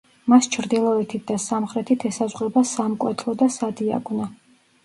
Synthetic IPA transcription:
mast͡ʃʰɾd̪ilˠɔɛt̪ʰit̪̚d̪asamχɾɛt̪ʰit̪ʰɛsazʁwɛbasamkʼwɛ̰t̪ʰlˠɔd̪asad̪ia̰ɡna

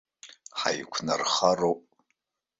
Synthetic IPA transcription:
ħa̰jkʷʰna̰rχarowpʼ

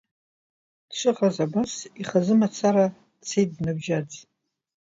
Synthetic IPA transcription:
d̥ʂʷʰɨʁazabasiχazɨmat͡sʰaɾa | t͡sʰejt̚dnabʒad͡z

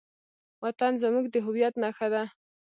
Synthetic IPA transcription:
wat̪anzamuɡd̪əɦʊwjat̪naxad̪a

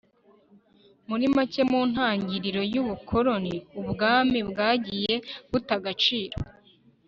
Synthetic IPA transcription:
muɾimace̞muːn̥haːɲɟiɾiɾo̞juβukʰo̞ɾo̞niubɡaːmibɡaːɟije̞b̥utaɡat͡ʃiːɾo

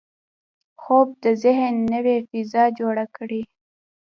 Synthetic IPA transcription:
xob̚d̪əzɪɦənːəwefizɑd͡ʒoɽakɽi

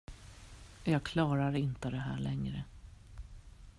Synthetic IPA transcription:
jɑːɡ̚kʰlɑːɾaɾɪnt̪əd̪ɛɦæ̰ːɭɛŋɾə

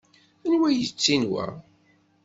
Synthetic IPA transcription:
ænwæjət͡sːinwæ̰

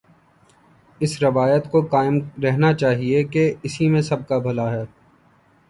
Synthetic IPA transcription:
ɪsɾɪʋaːjət̪kokaːɪmɾɛɦnat͡ʃaːɦiekeɪsimẽsɐb̚kabʱɐlaɦɛː

